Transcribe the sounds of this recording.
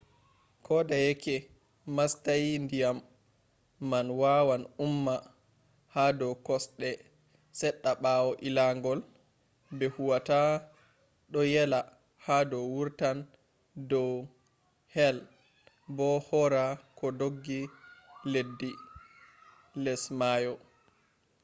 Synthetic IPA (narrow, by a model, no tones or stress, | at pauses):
kʰɔdajɛkʰɛ | mastajndijamː | anwawanumːa | hadɔkɔsɗɛ | sɛɗːaɓawɔʔilaŋɡɔl | bɛhuwata | ɗɔjɛla | hadɔwuɾtan | dɔ | hɛl | bɔhɔɾakɔdoɡːiledːi | lɛsmajɔ